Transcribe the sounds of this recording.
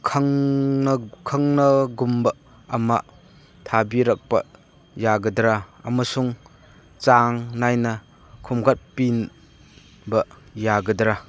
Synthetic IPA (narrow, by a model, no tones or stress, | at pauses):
kʰɐŋ | kʰɐŋnɐɡumbɐ | ɐma̰ | t̪ʰabiɾɐk̚pɐ̰ | jaɡɐdɾaɐ̰mɐsuŋ | t͡saŋnajnɐ | kʰumɡat̚pin | bɐ | jaɡɐdɾa